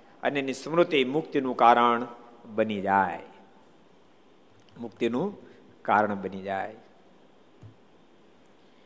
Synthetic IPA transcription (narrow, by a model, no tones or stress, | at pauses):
ɐ̰nənĩsɐmɾʊt̪imʊkt̪inũkaːɾəɽ̃ɓɐnid͡ʑaːe | mʊkt̪inũ | kaːɾəɳ̃ɓɐniʄaːe